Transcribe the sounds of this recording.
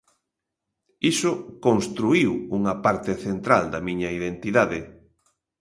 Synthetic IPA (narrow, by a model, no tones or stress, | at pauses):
isʊkonst̪ɾuiwuŋɐpaɾt̪ɪθent̪ɾald̪ɐmiɲɐiðent̪iðaðɪ